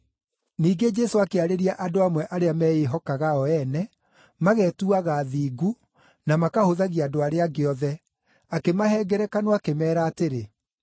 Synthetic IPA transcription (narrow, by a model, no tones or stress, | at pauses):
niːɡed͡ʒɛsoakeaɾeɾiaʔadoamwɛʔaɾeamɛːeɦɔkaɣaɔɛnɛ | maɣɛtuaɣaːðiːɡu | namakahoðaɣiadoaɾeaɡeɔðɛ | akemahɛːɡɛɾɛkanoakemɛːɾaːteɾe